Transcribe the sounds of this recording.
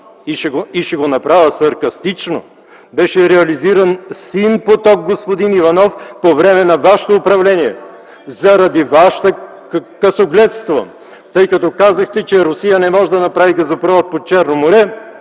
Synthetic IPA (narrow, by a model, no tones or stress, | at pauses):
iʃɛɡoiʃɛɡonɐpɾavəsɐɾkɐst̪it͡ʃno | bɛʃɛɾɛɐliziɾɐnsinpot̪ɔɡ̚ɡospod̪inivɐnɔfpovɾɛmɛnɐvaʃɛ̥t̪oːpɾɐvlɛniɛ̰ | zɐɾɐd̪ivaʃɛ̥t̪ə | kɐsoɡlɛt̪st̪vo̰ | t̪ɤjkɐt̪ɔkazɐxt̪ɛt͡ʃɛɾʊsijənɛmɔʒɛd̪ɐnɐpɾavikɐzɐpɾɔvɐt̪̚pot͡ʃɛɾnomoɾɛ